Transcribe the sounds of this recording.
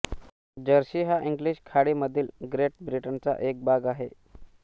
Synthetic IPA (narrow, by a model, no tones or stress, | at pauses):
d͡ʑəɾɕiːɦaʔiŋɡliɕkʰaɽiːməd̪ʱiːlɡɾeʈ̚bɾiʈənt͡sa̰ʔek̚bʱaɡaɦe